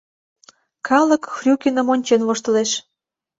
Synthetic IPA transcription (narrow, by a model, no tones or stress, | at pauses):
kʰɑlə̆kxrʲukʲenə̆monʲt͡ɕenvoʃt̪ə̆leʃ